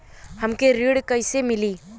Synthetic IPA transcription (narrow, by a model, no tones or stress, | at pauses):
həmkeɾiɽkəɪsemɪliː